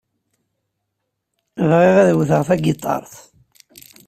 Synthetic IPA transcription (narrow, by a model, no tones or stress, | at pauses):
vʁeʁæðwθəʁθæɡɪt̪ˤːɑ̰ɾˤθ